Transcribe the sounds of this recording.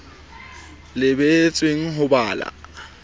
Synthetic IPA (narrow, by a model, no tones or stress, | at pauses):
lɪbet͡sʼweŋ̩ɦʊbaːla̰